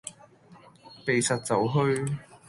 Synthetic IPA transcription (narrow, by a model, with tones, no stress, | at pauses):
pe˨jsɐ˨t̚t͡sɐ˨˥wɦɵ˧ɥ